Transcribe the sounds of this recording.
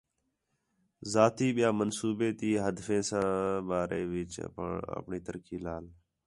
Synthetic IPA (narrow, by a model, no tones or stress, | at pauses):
zaːt̪iːɓɪjaːmənsuːbeːt̪iːɦəd̪fẽːsãːɓaːɾḛːʋɪt͡ʃə̰pɳiːt̪əɾkʰiːlaːl